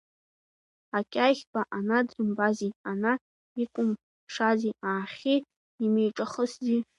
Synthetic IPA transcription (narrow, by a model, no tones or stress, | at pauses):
akʲʼajχʲbʼaʔanadrɨmbaziana | ikʷʼʊm | ʂaziaːχʲi | imejʈ͡ʂʼaχəszʲi